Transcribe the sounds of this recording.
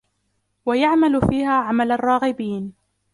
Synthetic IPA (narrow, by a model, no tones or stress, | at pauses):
wajaʕmalfiːhaːʕamalarˤːɑːɣɪbiːn